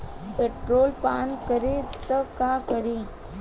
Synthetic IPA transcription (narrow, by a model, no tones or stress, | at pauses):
peːʈɾoːlpaːnkəɾet̪əkaːkəɾe